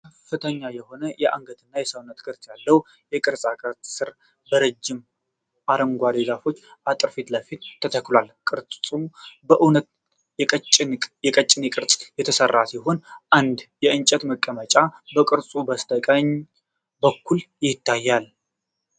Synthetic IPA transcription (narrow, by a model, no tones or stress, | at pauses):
kkʰəfːɨt̪ʰəɲːajɛho̞nəjɛʔa̰ŋɡəd̪ɨnːajɛsəwnːət̪ɡɨɾt̪jalːəw | jɛkʼɨɾsʼakʼəɾt̪ʼsɨɾ | bəɾəd͡ʒːɪm | ʔaɾəŋɡʷad̪eɡafo̞t͡ʃːʔat̪ʼɨɾfit̪ləfit̪ʰːət̪ʰəklwalkʼɨɾt͡sʼsʼubəʔunət̪ | jɛt͡ʃʼɪnkʼjɛkʼət͡ʃʼːɪnekʼɨɾsʼjɛt̪ʰəsərːasiɦo̞nʔand̪jɛɨnt͡ʃʼət̪məkʼːəmət͡ʃʼabəkʼɨɾsʼubəst̪ʰəkʼəɲ | bəkʰːuljɪt̪ʰːajːal